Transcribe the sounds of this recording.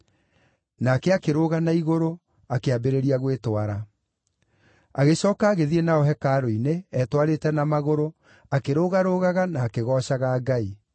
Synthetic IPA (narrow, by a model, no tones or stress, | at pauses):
naːkɛakeɾoɣanaiɣoɾo | akeabeɾeɾiaɣwetwaɾa | aɣeɕɔːkaːɣeðienaɔɦɛkaːɾoineɛtwaɾetɛnamaɣoɾo | akeɾoːɣaɾoɣaɣanaːkeɣɔɕaɣaːɡai